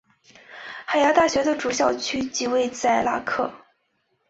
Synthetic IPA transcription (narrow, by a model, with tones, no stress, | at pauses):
xa˧˩ɪja˥t̪a˥˩ɕɥɛ˧˥d̪ə˧ʈ͡ʂu˨˩ɕjɑ˥˩ʊt͡ɕʰy˥t͡ɕi˧˥we˥˧ɪt͡sa˥˩ɪla̰˥kʰɤ̰˥˩